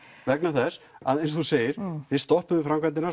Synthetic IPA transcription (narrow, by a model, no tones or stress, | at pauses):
vɛknaθɛs | aðẽjnsɔθuseːjɪɾ̥θɪɾst̪ɔhpʏɪfɾamkʰvɛnt̪ɪna